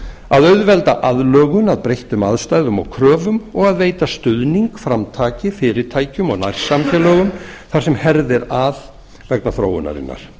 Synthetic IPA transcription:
aðœɥðvɛlt̪aʔaðlœːɣʏnaðpɾejht̪ʏmaðst̪ajðʏmawkʰɾœːvʏmɔɣaðveːjt̪ast̪ʏðniŋkfɾamt̪ʰaːcɪfɪːɾɪɾt̪ʰaːjcʏmɔɣna̰jr̥sːamcɛlœːɣʏmθaɾ̥sɛmhɛɾðɪɾað | vɛknaθɾo̰ːwʏ̰na̰ɾɪ̰nːa̰ɾ̥

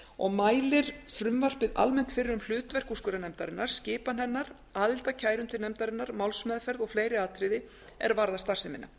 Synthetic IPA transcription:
ɔɣmaːjlɪɾ̥fɾʏmvar̥pɪðʔa̰lmɛn̥t̪fɪɾɪɾʏml̥ʏːt̪vɛr̥kuskʏːɾanɛmt̪aɾɪnːaɾ̥scɪːpanɦɛnːaɾ | aːðɪl̥t̪acʰaːjɾʏnt̪ɪnɛmt̪aɾɪnːaɾmawlsmɛðfɛɾðɔɣfleːjɾɪaːt̪ʰɾɪðɪ | ɛ̰ɾvaɾðast̪ar̥sɪmɪnːa̰

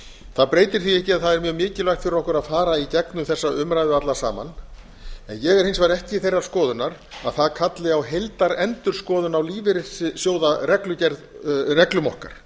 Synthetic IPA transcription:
θaðpɾeːjt̪ɪɾ̥θiɛhcɪaðθaðɛɾmjœːɣmɪːcɪlajxt̪fɪɾɪɾɔhkʏɾaðfaːɾaicɛknʏmθɛsːaʏmɾajðʏat̪lasa̰ːma̰n | ɛnjɛɣɛɾ̥hɪnsvaɾɛhcɪiθejrːḁskɔːðʏnːaɾ | aðθaðkʰat̪lɪawɦejlt̪aɾɛnt̪ʏɾ̥skɔːðʏnawliːvɪɾɪsɪsjoːwðarɛklʏcɛɾðrɛklʏmɔhka̰ɾ̥

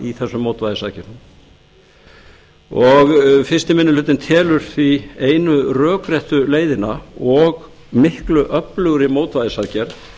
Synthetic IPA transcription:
iθɛsːʏmːoːwt̪vaːðɪsaːcɛɾnm | ɔɣfɪst̪ɪmɪnːʏlʏːt̪ɪnt̪ʰɛːlʏɾ̥θvieːjnʏrœːkɾjɛht̪ʏleːjðɪnaɔɣ | mɪhklʏʔœplʏɣɾɪmoːwt̪vajðɪsaːcɛɾ̥

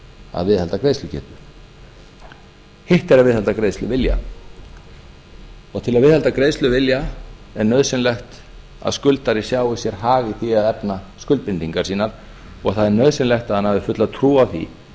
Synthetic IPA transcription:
a̰ðvɪðhɛlt̪akɾeːjslʏcɛ̰ːht̪ʏ | heht̪ɛɾaðvɪðhɛlt̪akɾeːðst̪lʏvɪlja̰ | ɔɣt̪ʰɪlaðvɪðhɛlt̪akɾeːðst̪lʏvɪljaɛɾnœðsɪnlɛxt̪ | a̰ðskʏlt̪aɾɪsjaːwɪsjɛɾ̥ɦaːɣɪθiaðɛpnaskʏlt̪̚pɪnt̪iŋkḁsiːnaɾ | ɔɣθaðɛɾnœðsɪnlɛxt̪aðhanhavðɪfʏt̪laðt̪ʰɾuːawθḭ

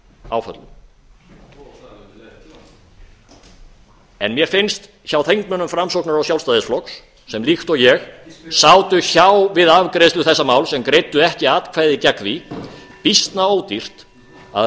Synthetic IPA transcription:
awfœ̰t̪l | ɛ̰nmjɛɾfɪnst̪ | çawθejŋkmœnʏmfɾamsowknaɾawsjawlst̪ajðɪsflɔksː | ɛmlixt̪ɔɣjɛxsaːwt̪ʏçawvɪðavkɾejslʏθɛsːamaːwlsɛmkɾejt̪ʏɛhcɪaːt̪kʰvaːjðɪcakvi | pist̪naoːwt̪ir̥t̪ | a̰

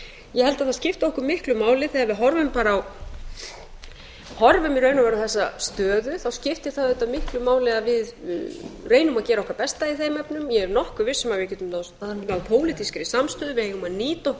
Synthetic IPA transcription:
jɛhɛlt̪aðθascɪft̪ɔhkʏmɪhklʏmaːwlɪθɛavɪðɦɔɾvʏmpaːɾːw | hɔɾvʏmiɾœːɥnavɛɾawθɛsːast̪œːðʏθawscɪft̪ɪ̥θaðʏt̪amɪhklʏmaːwlɪaðvɪð | reːjnʏmaðcɛːɾaɔkvaɾpɛst̪aiθejmɛpnʏmjɛɾnɔhkʏvɪsːɛmajɪcɛːt̪ʏmnanawpʰoːwlɪt̪iskaɾisamst̪œːðʏvɪhejɣʏmaðniːt̪ɔhk

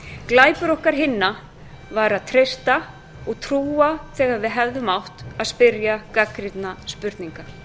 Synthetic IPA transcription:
klaːjpʏɾɔhkaɾ̥ɦɪnːa | vaːɾaðt̪ʰɾejst̪a | ɔɣt̪ʰɾuːaθɛːɣaɾvɪðɦɛvðʏmawht̪aðspɪɾjakakɾɪt̪naspʏɾt̪niŋka

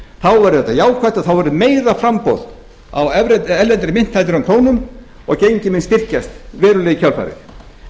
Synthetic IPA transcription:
θawvɛɾʏðɛt̪ːajaːwkʰvajt̪aθawvɛɾʏmeːjðafɾampo̰wð | a̰wɛvɾɛɛlɛnt̪ɾɪmɪn̥t̪ʰːalt̪ɪɾamkʰoːwnʏm | ɔɣcejɲcɪmɪnst̪ɪr̥cast̪vɛːɾʏlɛɣicʰœlfa̰jɾɪ̰θ

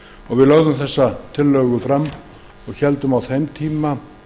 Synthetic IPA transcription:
ɔɣvɪðlœɣðʏmθɛsːat̪ʰɪlːœːɣʏfɾamː | ɔɣçɛlt̪ʏmawθejmt̪ʰiːma

